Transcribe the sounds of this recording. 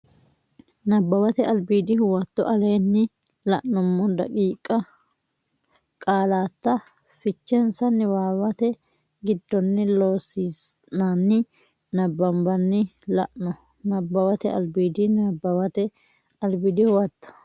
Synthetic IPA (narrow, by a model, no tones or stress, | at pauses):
nɐbːɐwɐt̪ɛʔɐlbiːd̪ɪhʊwɐt̪ːɔʔɐleːnːɪ | lɐʔnʊmːɔd̪ɐ̰kʼiːkʼːɐ | kʼaːlaːt̪ːɐ | fɪt͡ʃːɛnsɐnːɪwaːwɐt̪ɛ | ɡɪd̪ːɔnːɪlo̞ːsiːs | nanːɪ | nɐbːɐmbɐnːɪlɐ̰ʔnɔ | nɐbːɐwɐt̪ɛɐ̰lbiːd̪ɪnɐbːɐwɐt̪ɛ | ɐlbɪd̪ɪhʊwɐt̪ːɐ̥